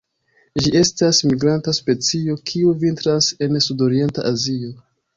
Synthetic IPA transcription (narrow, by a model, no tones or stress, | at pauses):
d͡ʒie̞stasmiɡɾantaspe̞t͡sio̞kʰiuvintɾase̞nsudo̞ɾie̞nta̰ʔazio̞